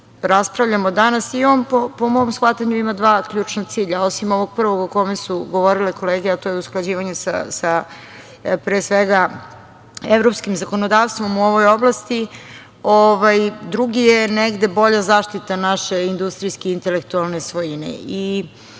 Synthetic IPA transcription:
ɾaspɾavʎamod̪anasiompopomo̞msxat̪aɲuimad̪ʋaːkʎuːt͡ʃnat̪siːʎao̞simo̞ʋo̞ɡ̚pr̩ʋo̞ɡoko̞mesuɡo̞ʋo̞ɾileko̞leːɡeat̪oːjeusklˠad͡ʑiːʋaɲesa̰sa | pɾeːsʋeɡa | evɾo̞pskimzako̞nod̪aːʋst̪ʋo̞muo̞ʋo̞jo̞blˠast̪i | oʋajd̪ɾuɡijeneɡd̪e̞bo̞ʎazaːʃt̪it̪anaʃe̞ind̪ust̪ɾijskeint̪e̞lekt̪ualˠne̞sʋojinḛi

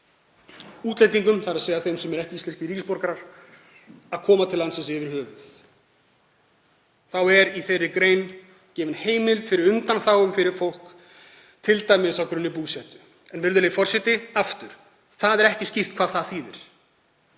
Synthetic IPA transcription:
uːt̪lejt̪iŋkʏmθaɾaðseːjðaθejmsɛmɛɾɛhcɪist̪ɛnscɪɾiːcɪspɔɾkaɾaɾ̥ | aðkʰɔːmat̪ʰɪlːansɛnsɪvɪɾ̥hœːvʏθ | θawɛɾiθejrːɪkɾeːjn | cɛːvɪnheːjmɪlt̪fɪɾɪɾʏnt̪anθaːwʏmfɪɾɪɾ̥fowl̥k | t̪ʰɪlt̪ajmɪðθawkɾʏnːɪpuːsɛt̪ʏ̥ | ɛnvɪɾðʏɾleːjfɔr̥sɛt̪ɪaft̪ʏɾ̥ | θaðɛɾɛhcɪscir̥t̪kʰvaːðθaðθiːðɛɾ̥

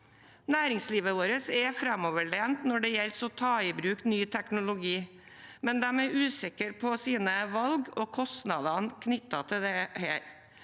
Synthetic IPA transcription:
næːɾɪŋsliːʋəʋoːɾəsɛfɾɛmɔʋəɭeːnt̪nɔɖɛjɛlsɔt̪ʰɑːɪbɾʉːknyːt̪ʰɛknʊlʊɡiː | mɛnd̪æmɛɾʔʉːsɪkəɾpʰɔsiːnəʋɑlɡoːkʰɔst̪nɑːd̪ɑnkʰnʏt̪ːɑt̪ʰɪld̪ɛheːɾ

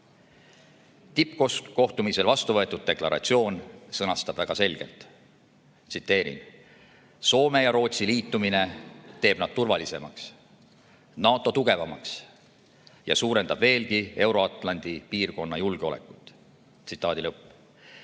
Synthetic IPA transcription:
t̪ipko̞sko̞ht̪umise̞lvɑst̪uvɤet̪ːˑud̪̚d̪e̞klɑɾɑ̰t̪sio̞ːnsɤnɑst̪ɑb̥væɡ̥ɑse̞lʲɡ̥e̞̰lt̪ˑ | t̪sit̪ːe̞ːɾḭn | so̞ːme̞jɑɾo̞ːt̪siliːt̪ːˑumine̞t̪e̞ːb̥nɑd̪̥̚t̪urvɑlise̞mɑks | nɑːt̪ːˑo̞t̪uɡ̥e̞vɑmɑks | jɑ̰suːɾe̞nd̪ɑb̥ve̞ːlɡie̞wɾo̞ɑt̪ːˑlɑnʲd̪̥ipiːrko̞nːɑjulɡ̥eo̞le̞̰kˑut̪ːˑ | sit̪ːˑɑːd̪ilɤpː

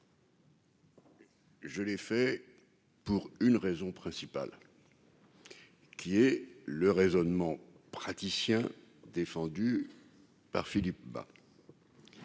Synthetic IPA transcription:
ʒəlɛfɛ | puʁynʁezɔ̃pχɛ̃sipa̰l | kʲiɛləʁezɔnmɑ̃ | pχat̪isjɛ̃d̪efɑ̃d̪y | pa̰ʁfilip̚ba̰

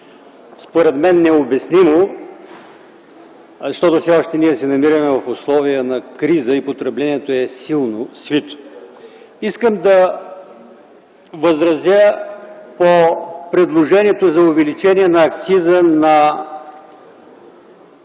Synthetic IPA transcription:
spoɾɛt̪mɛnːɛobɛsnimo | zɐʃt̪ɔt̪ʊsʲɛɔʃt̪ɛniɛsɛnɐmiɾəmɛvɐfʊslˠɔvijənɐkɾizəipot̪ɾɛblɛniɛt̪oɛsilˠnosvit̪o̥ | iskəmd̪ɐ | vəzɾɐzʲjə | popɾɛd̪lˠoʒɛnʲiɛt̪ozɐʊvɛlit͡ʃɛnʲiɛnɐːk̚t̪sizənɐ

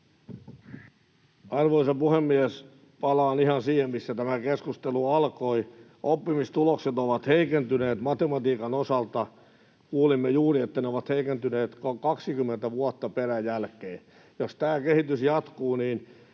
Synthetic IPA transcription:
ɑrʋoisɑpuhemːiæs | pɑlɑːnihɑnsiːhemmisːæt̪æmækeskust̪eluɑlkoi | ʔopːimist̪ulokset̪oʋɑt̪heikent̪yneːt̪mɑt̪emɑt̪iːkɑnosɑlt̪ɑ | kuːlimːejuːriet̪ːæneoʋɑt̪heikent̪yneːt̪kɑkɑksikymːent̪æʋuɑt̪ːɑperæjælkeː | jost̪æːkehit̪ysjɑt̪kuːniːn

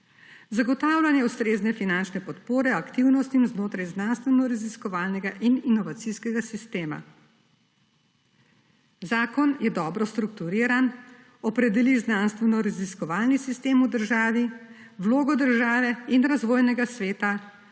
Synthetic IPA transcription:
zaɡɔt̪aːwlanjɛuwst̪ɾeːznɛfinant͡ʃnɛpɔt̪poːɾɛakt̪iwnɔst̪imznoːt̪ɾajznanst̪ʋɛnɔɾaziskɔʋaːlnɛɡaʔininɔʋat̪siskɛɡasist̪eːma̰ | zaːkɔnjɛd̪ɔːbɾɔst̪ɾukt̪uɾiːɾan | ɔpɾɛd̪ɛliznanst̪ʋɛnɔɾaziskɔʋaːlnisist̪eːmud̪əɾʒaːʋi | wloːɡɔd̪əɾʒaːʋɛinɾazʋoːjnɛɡasʋeːt̪a

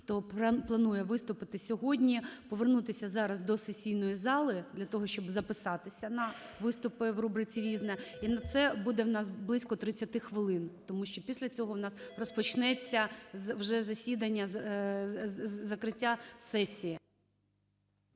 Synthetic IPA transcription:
xt̪ɔplˠɐnujɛʋɪst̪ʊpɪt̪ɪsʲɔɦɔdʲnʲipɔʋernut̪ɪsʲɐzɑɾɐzd̪ɔsesʲijnɔjizɑlˠɪd̪lʲɐt̪ɔɦɔʃt͡ʃɔbzɐpɪsɑt̪ɪsʲɐnɐ | ʋɪst̪ʊpɪʋrubɾɪt͡sʲiɾʲiznɛinɐt̪sɛbud̪ɛwnɑsblˠɪsʲkɔt̪ɾɪt͡sʲɐt̪ɪxʋɪlˠɪnt̪ɔmuʃt͡ʃɔpʲisʲlʲɐt͡sʲɔɦɔwnɑsrɔspɔt͡ʃnɛt͡sʲːɐwʒɛzɐsʲid̪ɐnʲːɐ | zɐkɾɪtʲːasɛsʲijɐ

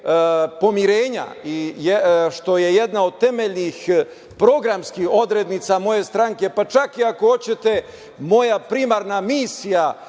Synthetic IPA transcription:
po̞miɾeːɲa̰ijeʃt̪o̞jejed̪naod̪̚t̪e̞meʎnix | pɾo̞ɡɾamskiho̞d̪ɾe̞d̪nit̪samo̞je̞st̪ɾaŋke̞pat͡ʃakiako̞o̞t͡ɕe̞t̪e̞ | mo̞japɾimaɾnamiːsija

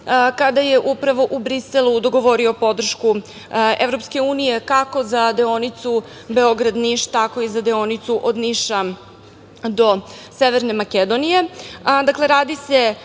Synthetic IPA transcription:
kad̪aje̞ʔupɾaʋo̞ʔubɾiselud̪o̞ɡo̞ʋo̞ɾio̞po̞d̪r̩ʃku | e̞vɾo̞pske̞uːnije̞kako̞zad̪eonit̪su | be̞o̞ɡɾad̪niʃt̪ako̞izad̪eo̞nit̪suʔo̞d̪niʃa | d̪o̞seʋeɾne̞maked̪onije̞d̪akle̞ɾaːd̪ise̞

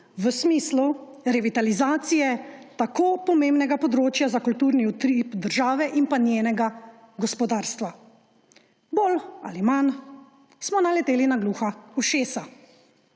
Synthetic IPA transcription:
ʋəsmiːslu | ɾɛʋit̪alizaːt̪sijɛt̪akoːpɔmembnɛɡapɔd̪ɾoːt͡ʃjazakult̪uːɾniut̪ɾipd̪əɾʒaːʋɛʔinpanjeːnɛɡa | ɡɔspɔd̪aːɾst̪ʋa | boːla̰liman | smɔnalɛt̪eːlinaɡluːxauʃeːsa

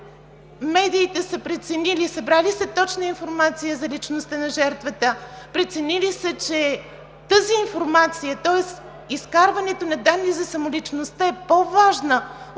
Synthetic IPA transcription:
mɛd̪iːt̪ɛsəpɾɛt̪sɛnilisɐbɾalisət̪ɔt͡ʃnəinfoɾmat̪sijəzɐlit͡ʃnost̪ənɐʒɛɾt̪vət̪əpɾɛt̪sɛnilisət͡ʃɛ | t̪əziːnfoɾmat̪sijət̪ɔɛs | iskaɾvɐnɛt̪onɐd̪anːizɐsɐmolit͡ʃnost̪əɛpovaʒnə

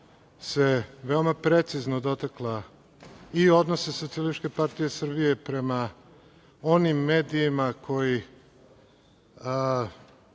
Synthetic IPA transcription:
seʋe̞o̞mapɾe̞t̪siznod̪o̞t̪aklˠa | io̞d̪no̞sesot̪sialiʃke̞paɾt̪ije̞sr̩bije̞pɾe̞ma | o̞nimːe̞ːd̪iːmakʰo̞ji

